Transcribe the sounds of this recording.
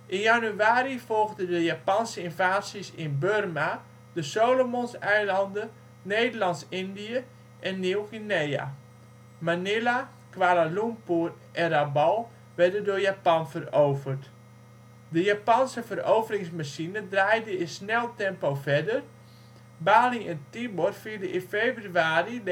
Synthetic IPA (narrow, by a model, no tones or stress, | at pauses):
ʔɪnjanyaːɾifɔlˠɣdədəjapansəɪnvaːsisɪnbørma | d̥əsoːlomonsɛjlɑndə | neːdəlɑntsɪndiə | ʔɛnːiwɣineja̰ | manɪla | kʋalalumpur | ʔɛnrabɔlˠ | ʋɛrdədoːjapanfəroːvərt | dəjapansəfərowvəɾɪŋsmaʃinədrajdəɪsnɛlˠtɛmpowfɛdər | baːliŋɛntibɔrfiədəʔɪfeːbryaːri